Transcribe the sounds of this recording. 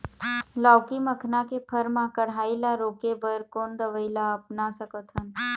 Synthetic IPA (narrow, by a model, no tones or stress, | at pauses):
lawkiməkʰnakepʰəɾmãkəɽ̤aːilaɾoːkebəɾkoːnd̪əʋəɪlaəpnasəkət̪ɦən